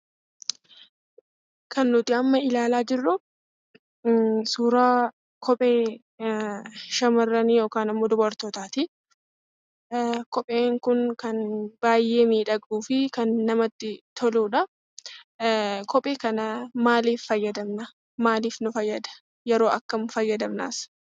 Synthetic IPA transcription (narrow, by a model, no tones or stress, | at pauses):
kɐnːʊt̪ɪɐmːɐɪlaːlaːd͡ʒɪrːʊ | suːɾaː | kʰɔpʼeː | ʃɐmɐrːɐniːjoːkaːnɐmːoːd̪ɔbɐɾt̪ɔt̪aːt̪ɪ | kɔpʼe̞ːŋkʊnkɐnb̥aːjːe̞ːmiːᶑɐɡʼuːfɪkɐnːɐmɐt̪ːɪt̪ʰɔluːᶑɐ | kʰɔpʼeːkɐnɐmaːliːfːɐjːɐd̪ɐmnɐ | maːliːfnʊfɐjːɐd̪ɐ̥ | jɛɾo̞ːʔɐkːɐmʊfɐjːɐd̪ɐmna̰ːs